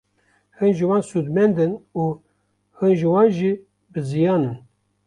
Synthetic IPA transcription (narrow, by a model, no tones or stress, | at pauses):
hɨnʒɨwɑːnsud̪mɛnd̪ɨnuː | hɨnʒɨwɑːnʒi | bɨzijɑːnɨn